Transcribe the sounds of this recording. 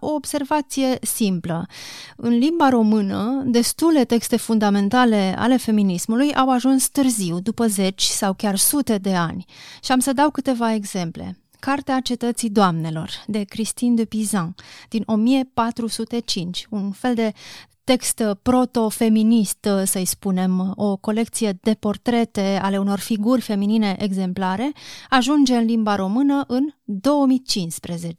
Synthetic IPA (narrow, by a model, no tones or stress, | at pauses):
o̞ːbse̞rvat̪sije̞simpləɨnlimbaɾo̞mɨnəd̪e̞st̪ule̞t̪e̞kst̪e̞fund̪ame̞nt̪ale̞a̰le̞fe̞minismulujʔawaʒunst̪ɨrziwd̪upəze̞t͡ʃʲsawkʲarsut̪e̞d̪e̞anʲʃiamsəd̪awkɨt̪e̞vae̞ɡz̥e̞mple̞̰ | kart̪eat͡ʃe̞t̪ət̪sid̪oamne̞lo̞̰rd̪e̞kɾist̪ind̪epizãd̪̥inʔo̞mije̞pat̪ɾusut̪e̞t͡ʃint͡ʃʲunfe̞ld̪e̞t̪e̞kst̪pɾo̞t̪o̞fe̞minist̪səjspune̞mo̞ko̞le̞k̚t̪sije̞d̪e̞po̞rt̪ɾe̞t̪e̞a̰le̞uno̞rfiɡurʲfe̞minine̞ʔeɡze̞mplaɾe̞aʒund͡ʒe̞ɨnlimbaɾo̞mɨnəʔɨnd̪o̞wəmit͡ʃinspɾezet͡ʃe